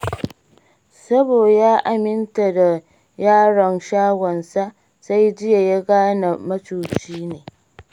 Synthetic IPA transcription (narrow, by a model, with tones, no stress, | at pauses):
sɐ˦boː˨jaː˦ʔa˨mɪ˦nta˨da˨ | jaː˦ɽɐ˨nʃaː˦ɡʷɔ˨nsa˦ | sa˦jd͡ʒɪ˦ja˨ja˦ɡaː˦na˨mɐ˦t͡ʃuː˨t͡ʃiː˦neː˨